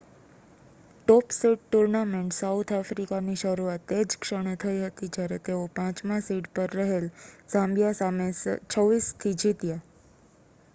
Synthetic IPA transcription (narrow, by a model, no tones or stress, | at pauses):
ʈɔpsiʈ̚ʈuɾnameɳʈsaut̪ʰafɾikaniʃəɾuat̪ed͡ʒkʃəɽ̃et̪ʰəiɦət̪id͡ʒjaɾet̪eopãt͡ʃmãsiʈpəɾːəɦelsãmbjasamest͡ʃʰəʋːist̪ʰid͡ʒit̪ja